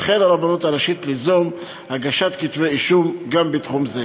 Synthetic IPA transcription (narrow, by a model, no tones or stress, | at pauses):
χelaɾabanot̪aɾaʃit̪lizom | haɡaʃat̪kit̪veiʃumɡambet̪χumze